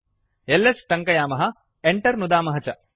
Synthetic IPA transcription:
elːesʈɐŋkɐjaːmɐɦɐ | eɳʈɐɾnud̪aːmɐɦɐt͡ʃɐ

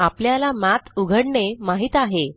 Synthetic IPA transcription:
apljalamat̪uɡʱəɽɳemaɦiːt̪aɦe

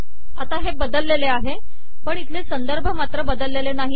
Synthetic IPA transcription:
at̪aɦebəd̪əlːeleaɦe | pəɳit̪ʰlesənd̪əɾbʱəmat̪ɾəbəd̪əlːelenaɦi

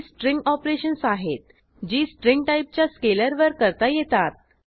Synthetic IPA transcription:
sʈɾiŋɡɔpɾeɕənsaɦet̪̚ | d͡ʑiːsʈɾiŋɡ̚ʈaip̚t͡ɕjaskeləɾʋəɾkəɾt̪ajet̪at̪̚

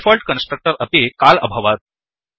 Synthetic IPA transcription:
fɔlʈkənsʈɾək̚ʈəɾəpekalə̰bʱaʋat̪̚

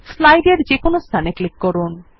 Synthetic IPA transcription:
slajɖeɾd͡ʑekonost̪ʰaneklikːɔɾun

